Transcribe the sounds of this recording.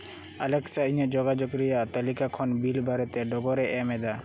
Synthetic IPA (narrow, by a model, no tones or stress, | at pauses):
alɛksaiɲad͡ʒɔɡad͡ʒɔkɾɛjat̪əlikakʰɔnbilbʱaɾɛt̪ɛɖɔɡɔɾɛʔɛmɛd̪a